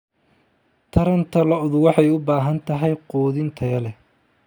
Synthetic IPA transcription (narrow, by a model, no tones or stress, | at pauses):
t̪ʰɐɾɐnt̪ʰɐlɐʊðʊwɑħɑjʊbaːɦɐnt̪ʰɐɦɛjqɔːðɪnt̪ʰɐjɐlɛ